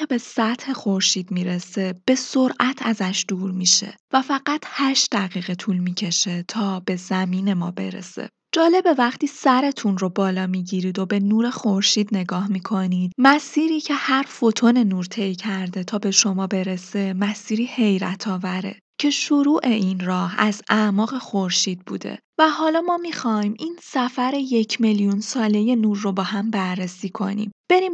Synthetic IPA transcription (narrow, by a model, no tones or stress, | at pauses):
ebe̞sæt̪he̞xo̞ɾʃiːd̪miːɾe̞se̞b̥e̞so̞ɾʔæt̪ʰæzæʃd̪̥uːɾmiːʃe̞̰væfæɢæt̪ʰhæʃd̪æɣiːɣe̞t̪ʰuːlmiːcʰe̞ʃe̞t̪ʰɒːb̥e̞zæmiːne̞mɒ̰ːbe̞̰ɾḛse̞̰ | d͡ʒɒːle̞be̞væχt̪iːsæɾe̞t̪ʰunro̞bɒːlɒːmiːɟiɾiːd̪o̞be̞nuːɾe̞xo̞ɾʃiːd̪ne̞ɡɒːhmiːkʰo̞niːd̪̥̚mæsiːɾiːcʰe̞hæɾfo̞t̪ʰo̞ne̞nuːɾt̪ʰe̞jcʰæɾd̪e̞t̪ʰɒːbe̞ʃo̞mɒːbe̞ɾe̞se̞mæsiːɾiːhe̞jɾæt̪ʰɒːvæɾe̞̰ | cʰe̞ʃoɾuːʔe̞ʔinrɒːhæzæmɒːɣe̞xo̞ɾʃiːd̪̚bṵːd̪e̞̰væɦɒːlɒːmɒːmixɒjmʔinsæfæɾe̞je̞cʰmeljunsɒːle̞je̞nuːɾːo̞bɒːhæmbæɾːesiːkʰo̞̰nḭmb̥e̞ɾiːm